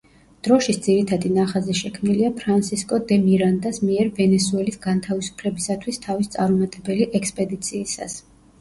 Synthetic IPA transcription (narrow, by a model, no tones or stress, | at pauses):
d̪̥ɾɔʃisd̪ziɾit̪ʰad̪inaχazɛʃɛkʰmniliapʰɾansiskʼɔd̪ɛmiɾand̪asmiɛɾvɛnɛsuɛlisɡant̪ʰavisu̥pʰlɛbisat̪ʰwist̪ʰavist̪sʼaɾumat̪ʼɛbɛliʔɛkspʼɛd̪it̪sʰiːsa̰s